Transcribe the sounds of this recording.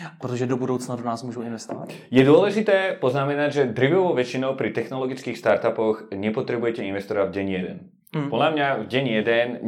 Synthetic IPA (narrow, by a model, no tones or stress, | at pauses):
pɾɔt̪oʒɛdɔbudowt͡snadonaːsmuːʒuinʋɛst̪ɔvat̪ | jɛd̪ʊɔlɛʒit̪ɛːpɔznamɛnaɟʒɛd̪ɾivɔʋoʊʋɛt͡ʃinɔʊpɾit̪ɛxnɔlɔɡit͡skiːxst̪aɾt̪apɔɣɲɛpɔt̪ɾɛbujɛcɛinʋɛst̪ɔɾavɟɛɲjɛd̪ɛ̰n | ɔd̪lamɲavɟɛɲjɛd̪ɛn